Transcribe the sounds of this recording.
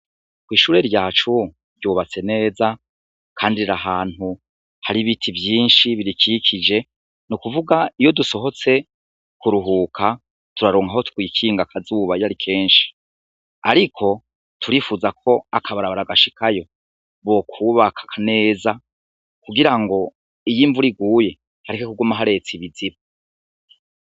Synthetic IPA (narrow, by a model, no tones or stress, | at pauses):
kwiːʃuːɾe̞ɾɟaːt͡ʃu | ɾɟuːβat͡se̞ne̞ːza | kʰaːndiɾaɦaːn̥hu | haɾiβitʰivjiːnʃiβiɾikikʰid͡ʒe̞ | nukuvuɡaijo̞duso̞ɦo̞t͡se̞ | kuɾuɦuːkʰa | tuɾaɾoːŋɡaho̞tu̥kwiːkʰiːŋɡakʰazuβajaɾikʰe̞ːnʃi̥ | aɾikʰo̞ | tʰuɾiːfuzakʰo̞akʰaβaɾaβaɾaɡaʃi̥kʰajo̞ | βo̞kʰuːβakʰḁkʰane̞ːza | kuɡiɾaŋɡo̞ | ijiːɱvuɾiɡuːje̞ | haɾikekuɡumaɦaɾe̞t͡siβiziβa